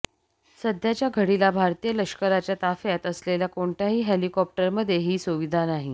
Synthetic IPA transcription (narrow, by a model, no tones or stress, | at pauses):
səd̪ʱjat͡ɕjaɡʱəɽilabʱaɾt̪ijələʂkəɾat͡ɕjat̪afjat̪əsleljakoɳʈ̪aɦiːɦelikɔp̚ʈəɾməd̪ʱːjeɦiːsuʋid̪ʱanaɦi